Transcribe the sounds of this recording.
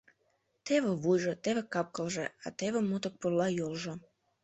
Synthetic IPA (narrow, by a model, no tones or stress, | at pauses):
t̪eβə̆βujʒə̆t̪eβekɑp̚kəlʒḛɑ̰t̪eβemut̪ək̚purlɑjolʒo